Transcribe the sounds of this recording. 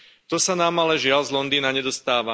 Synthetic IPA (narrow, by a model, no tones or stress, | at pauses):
t̪ɔsanaːmalɛʒɪalzlɔnd̪iːnaɲɛd̪ɔst̪aːʋa